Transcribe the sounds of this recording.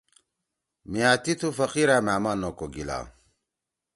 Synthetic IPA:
miat̪it̪ʰufɐqiɾamamanokoɡila̰

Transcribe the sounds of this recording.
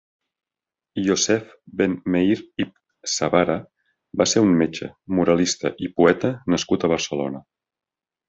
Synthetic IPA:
jozɛf | benmeiɾip | səβaɾə | baseɾummet͡ʃə̰muɾəlist̪ə̰ʔipuɛt̪ənəskut̪əβərsəlo̰nə

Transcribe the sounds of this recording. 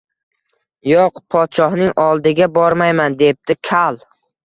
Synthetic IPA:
joqpʰɒt̪ʃɒhnɪŋɒlˠd̪ɪɡʲabɒɾmajmand̪e̞p̚d̪̥ɪkʲʰalˠ

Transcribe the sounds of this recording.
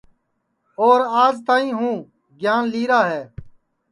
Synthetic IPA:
oːɾaːzt̪aːĩːɦũː | ɡjaːnliːɾaːɦɛː

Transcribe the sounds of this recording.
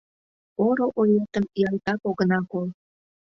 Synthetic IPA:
oɾoʔojet̪əmjɑlt̪ɑkoɣənɑkol

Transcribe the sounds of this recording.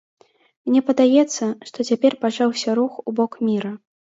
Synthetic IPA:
mnʲɛpɐd̪ajɛt̪sːɐʂt̪ɔt͡sʲapʲɛrpat͡ʂawsʲɐɾuxubɔkmʲiɾɐ

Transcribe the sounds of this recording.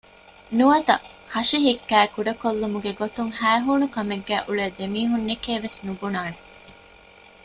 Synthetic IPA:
nuɐt̪ɐ | hɐʃiɦikːæːkuɖɐkolːumuɡeɡot̪uŋhæːɦuːnukɐmeɡːæːʔuɭeːd̪emiːɦunːekeːʋesnubunaːne

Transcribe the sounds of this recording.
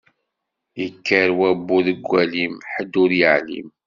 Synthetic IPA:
jəkːəɾwæbːuðəɡʷːælimħəd̪ːʊɾjəʕlḭm

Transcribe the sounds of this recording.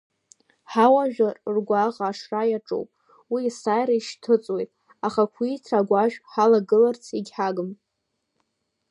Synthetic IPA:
ħawaʒᶣarrɡʷaʁʼaːʂrajaʈ͡ʂʼo̰wpʼ | wiːsajɾaiʃtʰɨt͡sʼwejtʼ | aχakʷʰitʰaɡʷaʒᶣħalaɡɨlart͡sʰiɡʲħaɡɨm

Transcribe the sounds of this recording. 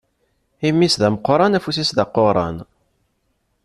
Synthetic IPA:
imːisðæməqːɾˤɑnæfus̬isðɑqːoɾˤɑ̰n

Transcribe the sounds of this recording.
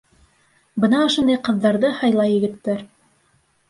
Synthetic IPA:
bɤnɑŏʃŏnd̪ɑjqɤ̆ðːɑɾðɤhɑjlˠɑjɘ̆ɡɘ̆t̪ːæɾ

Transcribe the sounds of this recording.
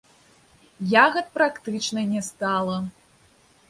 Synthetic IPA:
jaɣɐt̪̚pɾakt̪ɨt͡ʂnɐnʲɛst̪alˠɐ

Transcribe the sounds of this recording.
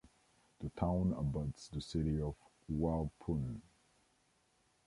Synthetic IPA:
ðətʰãʊ̃nəbʌdsðəsɪɾiɔv | walˠpʰun

